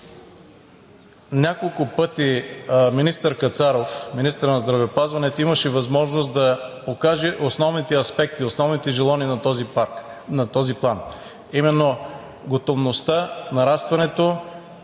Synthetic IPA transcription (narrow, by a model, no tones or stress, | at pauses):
nʲakolˠkʊpɤt̪iminist̪əɾkɐt̪saɾofminist̪əɾnɐzd̪ɾɐvɛopazvɐnɛt̪oimɐʃɛvɐzmɔʒnost̪d̪ɐ | okaʒɛʔosnɔvnit̪ɛɐspɛk̚t̪iosnɔvnit̪ɛʒɛlˠaninɐt̪ɔzipaɾknɐt̪ɔziplˠan | imɛnːo | ɡot̪ovnost̪anɐɾast̪vɐnɛt̪o